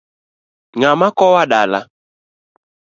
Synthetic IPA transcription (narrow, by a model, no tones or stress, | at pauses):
ŋamakɔwaɗala